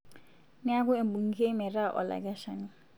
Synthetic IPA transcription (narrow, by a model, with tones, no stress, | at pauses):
nɪ˦a˦ɡʊ˦e˨m˨bu˨ŋ̩˦ɡe˦mɛ˨ɾa˦˨ʔɔ̰˨la̰˨ɡa˦ʃɔ˨nɪ˨